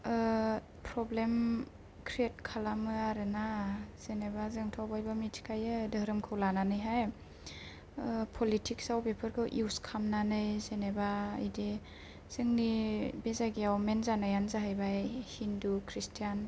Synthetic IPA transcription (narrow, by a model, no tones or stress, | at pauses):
pʰɾɔblem | kʰɾiet̚kʰalamɯaɾɯnaz̥enebazɯŋtʰawbajbamitʰi̥kʰajɯdɯɾɯmkʰɯwlananɯjɦaj | pʰɔlitʰiksawpepʰɯɾkʰɯwʔuwskʰamnanɯjzenebaɯ̰jdi | z̥ɯŋnibezaɡiawmenzanajanzaɦajbajhindukʰɾistʰijan